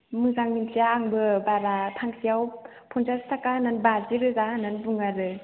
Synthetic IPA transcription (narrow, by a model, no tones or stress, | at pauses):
mɯzaŋmintʰijaːŋbɯbaɾatʰaŋsijaw | pʰɔnzastʰakananbaziɾɯzananbuŋaɾɯ